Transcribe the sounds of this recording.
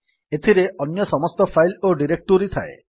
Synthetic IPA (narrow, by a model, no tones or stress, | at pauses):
et̪ʰiɾeʔɔnjɔsɔmɔst̪ɔpʰajloɖiɾek̚ʈoɾit̪ʰae